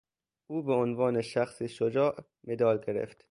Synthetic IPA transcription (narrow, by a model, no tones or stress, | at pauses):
ʔuːbeonvɒːneʃæxsiʃod͡ʒɒːʔ | med̪ɒːlɡeɾḛft̪